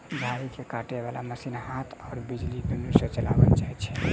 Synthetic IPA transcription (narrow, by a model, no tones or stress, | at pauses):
ɡʱaɾikekaʈeʋalaməsinɦat̪ʰɔːɾbid͡ʒlid̪unuset͡ʃəla̰bəlt͡ʃaɦɛt͡ʃʰɛ